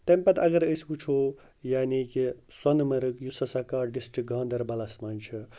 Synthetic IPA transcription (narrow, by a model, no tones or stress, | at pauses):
t̪ɐmʲpɐt̪ɐɡɐɾəsbut͡ʃʰo | jaːnikiswɐnmɐɾɨkjusɐsɐkaːɾɖisʈɾik̚ɡʱãːnd̪ɐɾbɐlasmɐnʲt͡ʃʰɨ